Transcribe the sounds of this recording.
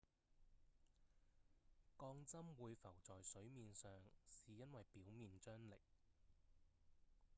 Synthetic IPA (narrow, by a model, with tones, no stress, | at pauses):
kɔː˧ŋt͡sɐ˥mwuː˨˧jfɐ˨˩wt͡sɔː˨jsɵ˨˥ɥmiː˨nsœː˨ŋsiː˨jɐ˥nwɐ˨jpiː˨˥wmiː˨nt͡ʃœː˥ŋlɪ̰˨k̚